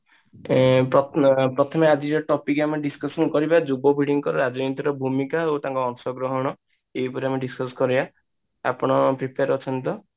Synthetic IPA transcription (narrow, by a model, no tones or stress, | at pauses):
ɾɔpɾɔt̪ʰɔmead͡ʒiɾɔʈɔpikameɖiskɔsɔnkɔɾibad͡ʒubɔbʱiɽiŋɔkɔɾɔɾad͡ʒɔjnit̪iɾɔbʱumikaowt̪ãŋkɔːŋsɔɡɾɔɦɔɽ̃ɔ | eɦipɔɾiameɖiskɔskɔɾia | a̰pɔɽ̃ɔpɾipʰeaɾɔt͡ʃʰɔnt̪ɔ